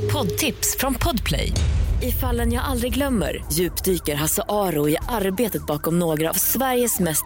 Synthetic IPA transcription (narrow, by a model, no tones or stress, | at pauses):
pʰɔd̪t̪ʰɪpsfɾɔnpʰɔd̪pʰlɛ̰jɪfalːənjɑːɡald̪ɾɪɡlœmːə̰ɾjʉ̟ːpd̪yːkəɾɦasaʔɑːɾʊɪʔaɾbeːt̪ət̪̚bɑːkɔmnoːɡɾa̰ːvsvæɾjəsmɛst̪